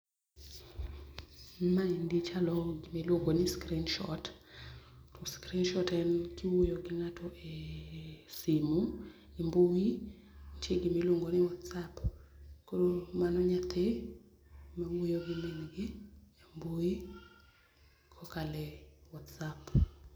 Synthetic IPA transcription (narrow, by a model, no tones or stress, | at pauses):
maindit͡ʃalɔɡɪmelwoŋɡonɪskɾinʃɔt | ɔskɾinʃɔtɛnkɪwujoɡɪŋatɔʔe | simu | embowi | t͡ʃeɡɪmeloŋɡonɪwɔtsapkoɾomanɔɲat̪ʰe | mawojoɡɪmɛnɡɪemboi | kʰɔkalɛwɔtsap